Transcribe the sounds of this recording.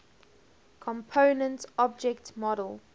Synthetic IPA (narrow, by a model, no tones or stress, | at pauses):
kʰɔ̃mpʰoʊnə̃ntɔb̚d͡ʒɛktmɔɾəlˠ